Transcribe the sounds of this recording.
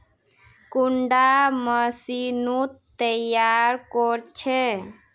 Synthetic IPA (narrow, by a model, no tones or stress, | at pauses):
kuɳɖaməsinut̪ːəjaɾkɔɾt͡ʃʰe